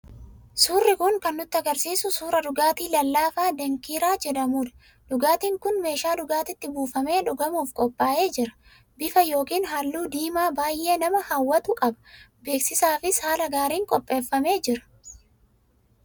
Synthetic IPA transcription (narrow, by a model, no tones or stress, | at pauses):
suːrːɪkʊŋkɐnːʊt̪ːɪɐɡɐɾsiːsʊsuːɾɐᶑʊɡaːt̪iːlɐlːaːfaːd̪ɐŋkiːɾaːd͡ʒɛᶑɐmuːᶑ̪ɐ̥ | d̪ʊɡaːt̪iːŋkʊnme̞ːʃaːdʊɡaːt̪ɪt̪ːɪbuːfɐme̞ːᶑʊɡɐmuːfkʼɔpʼːaːʔe̞ːd͡ʒɪɾɐ̥ | bɪfɐjo̞ːkiːnɦalːuːd̪iːmaːbaːjʔe̞ːnɐmɐhɐwːɐt̪ʊkʼɐbɐ̥be̞ːksɪsaːfɪshaːlɐɡaːɾiːŋkʼɔpʼːe̞ːfːɐme̞ːd͡ʒɪɾɐ̥